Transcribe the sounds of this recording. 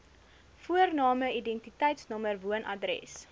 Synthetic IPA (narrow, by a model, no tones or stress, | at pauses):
fuərnɑːməidɛntitɛjtsnɐmərvuənʔɐdɾɛ̰s